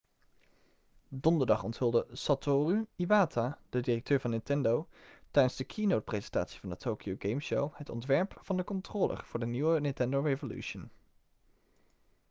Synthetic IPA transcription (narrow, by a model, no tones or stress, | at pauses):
dɔndəɹdɑχɔ̰ntɦɵlˠdəsɑtoryiʋaːtʰad̥ədirɛk̚tøːɹvɑnːɪntɛndowtɛjdənzdəkʰinowt̚prejzɛnta̰ːtsi̥vɑndətʰoːkijowɡejmʃowhətɔ̰ntʋɛɹpfɑndəkɔntroːlʔə̰ɹv̥ʊːɹdəniʋənɪntɛndowrevoly̰ʃən